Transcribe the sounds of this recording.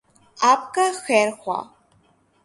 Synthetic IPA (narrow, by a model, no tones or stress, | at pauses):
apkʼaxeːrxʷa̰